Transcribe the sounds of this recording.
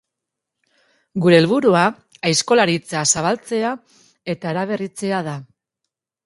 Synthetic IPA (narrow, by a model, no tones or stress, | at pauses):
ɡuɾe̞ːlβuɾua | ajsko̞laɾit͡sasaβ̞alt͡se̞a | e̞t̪aeɾaβ̞e̞rit͡se̞aða